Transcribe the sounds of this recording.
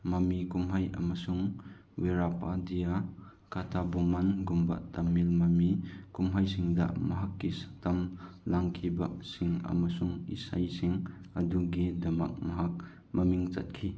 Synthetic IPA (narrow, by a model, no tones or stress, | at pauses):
mɐmikumɦajɐ̰mɐsuŋ | weɾapadija | katʰabomanɡumba̰tamːilmɐmikumɦajsiŋdɐ̰mɐɦakːisḁtɐm | laŋkʰibɐsiŋɐ̰masuŋḭsa̰jsiŋɐduɡidɐmɐ̰k̚mɐɦak̚ | mɐmiŋt͡ʃɐ̰t̚kʰi